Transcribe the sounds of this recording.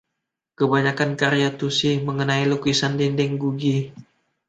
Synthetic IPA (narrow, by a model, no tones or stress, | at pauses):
kəbaɲakankaɾjat̪usiməŋənailukisandindɛŋɡuɡi